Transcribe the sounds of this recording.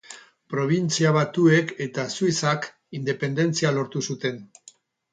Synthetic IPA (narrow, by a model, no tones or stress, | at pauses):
pɾo̞β̞int͡siaβ̞at̪ue̞ke̞t̪asuisak | ind̪e̞pe̞nd̪e̞nt͡sialo̞ɾt̪usut̪e̞n